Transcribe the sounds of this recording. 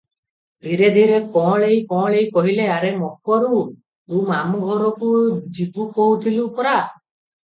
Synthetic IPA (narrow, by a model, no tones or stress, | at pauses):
d̪ʱiɾed̪ʱiɾekɔ̃ɭejkɔ̃ɭejkɔɦileaɾemɔkʰɔɾu | umamuɡʱɔɾɔkud͡ʒipukɔɦut̪ʰilupɔɾa